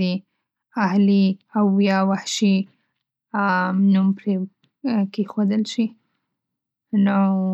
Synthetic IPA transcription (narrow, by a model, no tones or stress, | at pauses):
i | ahliawjɑwahʃi | numpɾe | kexod̪əlʃi | no